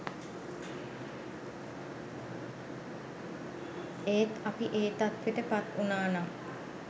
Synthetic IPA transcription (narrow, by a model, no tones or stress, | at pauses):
eːt̪apiʔeːt̪at̪ʋeʈəpat̪unaːna